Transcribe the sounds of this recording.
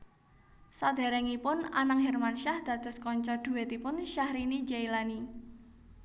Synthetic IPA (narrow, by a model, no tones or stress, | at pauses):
sad̪̥ɛ̤ɾɛŋipʊna̰naŋɦɛrmanʃahd̪̥ä̤d̪̥ə̤skɔɲt͡ʃɔd̪̥ṳwɛt̪ipʊnʃahɾinid͡ʒailani